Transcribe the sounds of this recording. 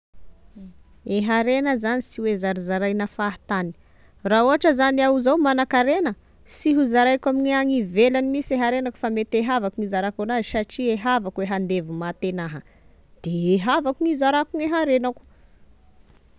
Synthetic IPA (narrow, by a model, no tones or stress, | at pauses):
eɦaɾenəzanisiwezaɾizaɾajnafaɦt̪ani̥ | rauaʈ͡ʂəzaniauzawmanakaɾenə | siɦuzaɾajkwamiɲiaŋivelanimisieɦaɾenaku̥famet̪eɦavakuŋizaɾakonaiʃaʈ͡ʂieɦavakuweɦand̪evumat̪enaɦə | d̪̥eeɦavakuŋizaɾakuŋeɦaɾenaku̥